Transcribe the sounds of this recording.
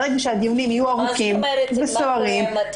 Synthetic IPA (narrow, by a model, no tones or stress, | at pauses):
ʁeɡaʃead̪ivunimijuaʁukimvesoaʁim